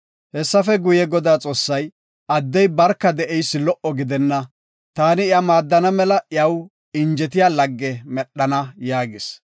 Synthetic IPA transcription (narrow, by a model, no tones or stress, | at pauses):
hɛsːɐfɛɡʊjɛɡɔd̪aːt͡sʼo̞ːsːɐj | ɐd̪ːɛjbɐɾkːɐd̪ɛʔɛjsːɪlɔʔɔɡɪd̪ɛnːɐ | t̪aːnɪɪɐmaːd̪ːɐnɐmɛlɐʔɪɐw | ɪnd͡ʒɛt̪̬ɪjaːlɐɡːɛmɛɗːɐnɐjaːɡɪs